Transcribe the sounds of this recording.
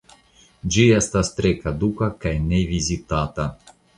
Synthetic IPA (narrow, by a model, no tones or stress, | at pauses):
d͡ʒijast̪ast̪ɾɛkad̪ukakajnɛvizʲit̪at̪a